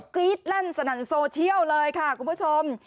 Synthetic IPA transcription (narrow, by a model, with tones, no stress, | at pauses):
kliː˦˥t̪̚la˥˩nsa˧˩na˩˦ŋsoː˧t͡ɕʰi˥˩əwlɤː˧jkʰa˥˩kʰu˧mpʰu˥˩t͡ɕʰo˧m